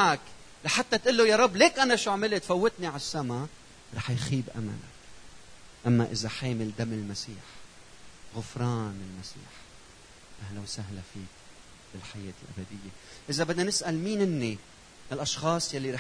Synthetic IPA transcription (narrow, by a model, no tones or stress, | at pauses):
ak | laħat̪ːat̪ʔɪlːojaɾˤɑbːleːkʔanaʃuʕmɪlet̪fawːɪt̪niʕasːama | ɾˤɑ̰ːħjxiːbʔa̰ma̰la̰k | ʔamːaʔɪzaħeːmɪld̪amɪlmasiːħ | ɣʊfɾˤɑːnɪlmasḭːħ | ʔahlawsaɦlafiːk̚ | b̥ɪlħajeːt̪ɪlʔa̰bad̪ɪjːeʔɪzabɪd̪nanɪsʔalmiːnʔɪnːi | ɪlʔɑʃxɑːsˤjalːiɾɑː